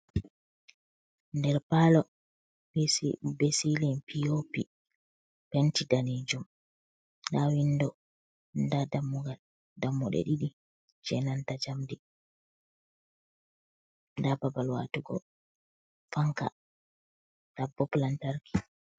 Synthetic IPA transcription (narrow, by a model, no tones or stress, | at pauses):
ndɛɾpalɔ | besilinpiopi | pɛntidaned͡ʒum | ɗawindɔ | ndadamːuɡal | damːɔɗɛ̰ɗiɗi | d͡ʒɛnantad͡ʒamdi | ndababalwa̰tuɡɔ̰ | faŋka̰ | ɗabɔplantaɾki